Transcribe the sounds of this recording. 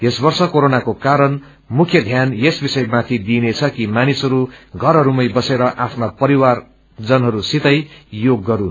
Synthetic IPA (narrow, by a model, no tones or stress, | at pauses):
jesbʌrsʌkoɾonakokaɾʌn | mukʰjʌd̪ʱjanjesbisʌjmat̪ʰid̪inet͡sʰʌkimanisɦʌɾuɡʱʌɾʌɾumʌjbʌseɾʌʔapʰnapʌɾiwar | d͡zʌnɦʌɾusit̪ʌjjoɡːʌɾun